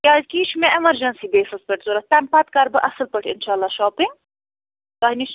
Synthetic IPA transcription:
kʲaːzkiːʃʰmẽʔɐmɐɾd͡ʒɐnsiːbeːsɨspʲeʈzuɾɐt̪ɐnpɐt̪kɐɾbɨʔɐsɨlpɐʈʰɪnʃaːlːaːʃɔːpiŋ | t̪aːɦniʃ

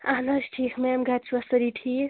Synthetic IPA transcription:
anɐsʈʰikʰmɛmɡat̪̚t͡ʃʰuʌsʌɾiʈʰi

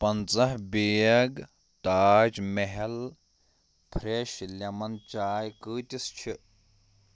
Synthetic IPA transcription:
pɐnt͡sɐɦbijɐɡ | t̪aːd͡ʒmeɦɐl | pʰɾeʃlʲɐmɐnt͡ʃaːjkɨːt̪ʲist͡ʃʰi

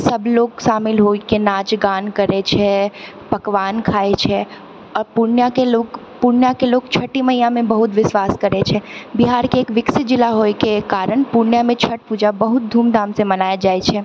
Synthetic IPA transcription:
səbloːɡʃaːmɪlɦoikenaːt͡ʃɡaːnkəɾet͡ʃʰɛ | pəkʋaːnkʰaːet͡ʃʰɛ | ɔɾpuɾnjakeloːɡ | pʊɾnjakeloːɡ̚t͡ʃʰəʈiməɦijãmẽbəɦʊt̪ʋɪsʋaːskəɾet͡ʃʰɛbiɦaːɾkeːkʋɪksɪt̪̚d͡ʒɪlaɦojkekaːɾəɳpuɾnjamẽt͡ʃʰəʈ̚pud͡ʒabəɦʊt̪̚d̪ʱuːmd̪ãːmsẽmənaːjad͡ʒaːet͡ʃʰɛ

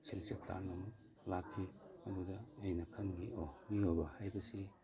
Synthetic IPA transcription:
silsek̚tʰa̰num | lakʰːimɐdudɐːjnɐkʰɐnŋiomiojbɐhajbɐsi

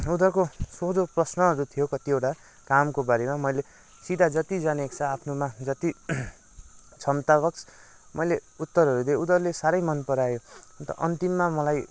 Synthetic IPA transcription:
ud̪ʌrkosod͡zoprʌsnʌɦʌɾut̪ʰijokʌt̪iewʈa | kamkobaɾemamʌjle | sid̪ʱad͡zʌt̪id͡zanekt͡sʰʌapʰnomad͡zʌt̪i | t͡sʰʌmt̪abʌkt͡sʰ | mʌjleut̪ːʌɾɦʌɾud̪eud̪ʌrlesaɾʌjmʌnpʌɾajoʌnt̪ʌ̰ʔʌ̰nt̪imːamʌlaj

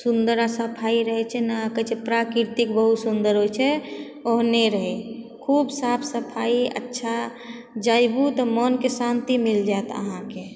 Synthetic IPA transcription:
sund̪əɾasəpʰaiɾəɦɛt͡ʃʰɛnaakət͡ʃʰepɾakiɾt̪ikbəɦut̪sund̪əɾɦot͡ʃʰɛ | oɦneɾəɦɛkʰubsapʰsəpʰaiə̰tːʃʰa | d͡ʒajbut̪ɔmənkesant̪imild͡ʒaet̪ə̰ɦãke

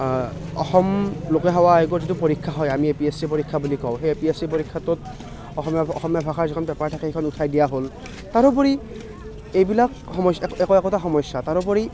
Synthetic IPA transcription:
ɔ̰xɔmlokɛɦawaeɡɔzitupɔɹikʰːaɦɔjamiepiesipoɹikʰːabulikɔ̃xeepiesipoɹikʰːatʊt̚ | ɔxɔmaɔxɔmjabʱakʰaɹzikʰɔnbɛpaɹtʰakehekʰɔnutʰajdijaɦol | taɹɔpɔɹi | ejbilak | xɔmɔsɛkɔɛkɔtaxɔmɔjsːataɹɔp̬ɔɹi

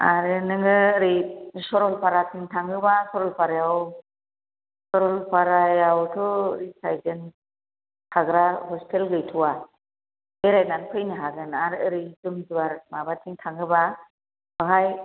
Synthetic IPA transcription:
a̰ɾɯnɯŋɯɾisɔɾɔlpʰaɾatʰiŋtʰaŋɡɯbasɔɾɔlpʰaɾajaw | sɔɾɔlpʰaɾajawtʰɔɾisajdɯn | hʰaɡɾahɔstʰelɡɯjtʰuwa | beɾajnanpʰɯjniɦaɡɯnaɾəɾizumd͡ʒuwaɾmabatʰiŋtʰaŋɡɯba | bɔɦaj

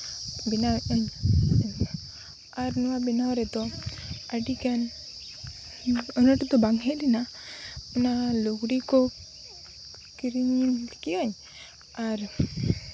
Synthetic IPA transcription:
binawɔɲ | aɾnɔwabinawɾɛt̪ɔaɖikan | ɔnɔʈt̪ɔbaŋɦɛlina | unaluɡɾikɔ | kiɾiɲlkiɔɲ | aɾ

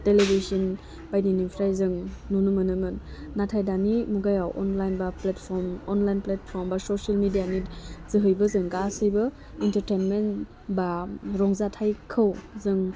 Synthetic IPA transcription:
telebʱisin | pajninimpʰɾajzɯŋnunumɯnɯmɯnːatʰajdanimuɡajawʔɔ̰nlajnbapletpʰɔɾmɔnlajnpletpʰɔɾmbasosalmidijanizɯɦɯjbɐzɯŋɡasɯjbɐ | intəɾtenmen | baɾɔŋzatʰajkʰɯwzɯŋ

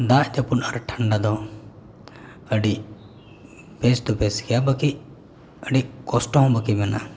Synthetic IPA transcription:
d̪aʔd͡ʒəpunaɾʈʰəɳɖad̪ɔ | əɖiʔ | pest̪ɔpeskɛjabəkiʔ | əɖiʔkɔsʈɔ̃ɦbəkimɛna̰

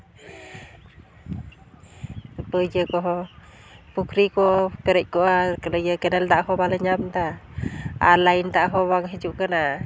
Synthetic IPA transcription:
pəd͡ʒəkɔɦɔ | pukɾikɔpɛɾɛc̚kɔʔakələjəkɛnɛlt̪aʔɦɔbaləɲamnt̪a | a̰laint̪aʔɦɔβaŋɦɛd͡ʒuʔkəna

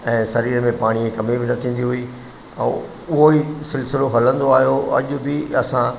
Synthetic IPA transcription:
ɛ̃ːsɐɾiːɾmẽpaːɽ̃iekɐmibɪnɐt̪ʰĩːn̆d̪iɦʊiː | ɛ̰̃ | ʊɦoisɪlsɪloɦɐlə̃nd̪oaːɦijoɐ̰ʄʊ̆bɪɐsã

